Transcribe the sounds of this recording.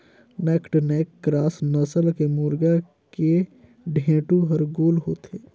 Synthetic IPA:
neːkʈneːkːɾaːsnəsəlkemuːɾɡa | ke | ɖʱẽːʈuɦəɾɡoːlɦoːt̪eː

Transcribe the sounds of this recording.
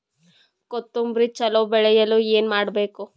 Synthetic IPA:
kot̪ːumbɾit͡ʃɐloːbɛɭɛjɐlueːnmaːɽbe̞ːku

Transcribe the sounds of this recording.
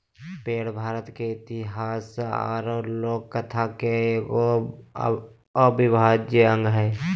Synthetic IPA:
peːɽbʱaːɾət̪keɪt̪ɪɦaːsa̰ːɾoloːɡ̚kət̪ʰake | əbʱibʱaːd͡ʒeə̃ŋɡɦɛ

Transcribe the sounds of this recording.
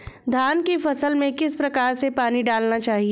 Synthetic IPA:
d̪ʱaːnkifɐsəlmẽkɪspɾɐkaːɾsepaːniɖaːlnat͡ʃaːɦie

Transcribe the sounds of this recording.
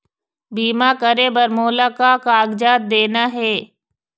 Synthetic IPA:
biːmakəɾebɐɾmoːlakakaːɡd͡ʒaːt̪̚d̪eːnaɦɛː

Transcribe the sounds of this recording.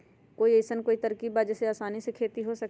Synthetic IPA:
koːiesənkoːit̪ɐɾkiːbad͡ʒɛseaːsaːnisekʰeːt̪iɦosɐk̚

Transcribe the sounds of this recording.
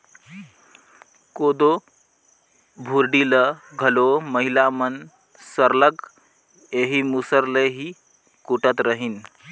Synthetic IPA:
kod̪o | bʱuɾɖiləɡʱəloməɦilamən | səɾlək | eɦimusəɾleɦi | kuʈət̪ɾəɦiːn

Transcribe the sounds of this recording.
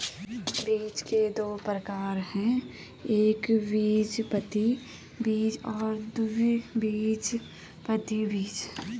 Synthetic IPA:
biːt͡ʃked̪oːpɾəkaːɾɦɛ̃ | eːkbiːd͡ʒpət̪i | biːd͡ʒɔːɾd̪ubiːd͡ʒ | pət̪ibiːt͡ʃ

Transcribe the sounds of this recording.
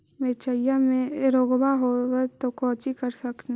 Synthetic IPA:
met͡ʃəijamẽɾoːɡbaɦowet̪okɔːt͡ʃikəɾsɐk̪

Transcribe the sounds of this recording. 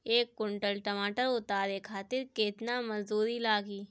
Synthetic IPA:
eːkːʊɳʈəlʈɐmaːʈəɾʊt̪aːd̪ekʰaːt̪ɪɾkɪːt̪namɐzd̪uːɾilaːɡiː

